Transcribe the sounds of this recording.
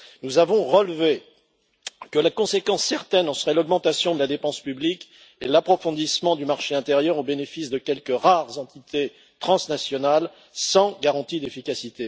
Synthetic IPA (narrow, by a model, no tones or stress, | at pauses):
nuzavɔ̃ʁəlve | kəlakɔ̃sekɑ̃sːɛʁt̪ɛnɑ̃səʁɛlɔɡmɑ̃t̪asjɔ̃d̪əlad̪epɑ̃spyblik | elapχɔfɔ̃d̪ismɑ̃d̪ymaʁʃeɛ̃t̪eʁjœʁobenefisd̪əkʲɛlkəʁaʁzɑ̃t̪it̪ʰe | t̪χɑ̃snasjɔnal | sɑ̃ɡaʁɑ̃t̪id̪efikasit̪e